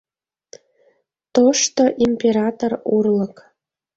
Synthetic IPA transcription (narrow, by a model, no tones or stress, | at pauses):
t̪oʂt̪oʔimʲpʲeɾɑt̪orurlˠɤ̆k